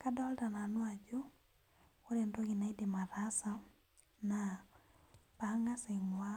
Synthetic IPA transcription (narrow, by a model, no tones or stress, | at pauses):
kadɔltananwad͡ʒu | oɾendoɣinaidemaɾasa | na | paŋaseŋwa